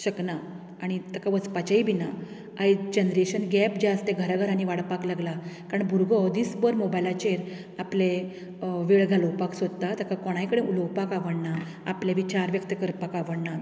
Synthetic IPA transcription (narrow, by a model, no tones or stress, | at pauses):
ɕəkna | aɽ̃it̪əkaʋət͡spat͡ɕaibina | ajd͡ʑenɾeɕənɡɛpd͡ʑast̪eɡʱəɾaɡʱəɾañiʋaɽpaklaɡlakaɾəɳbʱuɾɡɔd̪iːsbəɾmobajlat͡ɕeɾ | aple | ʋiɭɡalowpaksod̪t̪at̪əkakɔɽ̃ajkəɽẽuləwpakaʋəɽna | apleʋit͡ɕaɾʋjəkt̪əkəɾpakaʋəɽna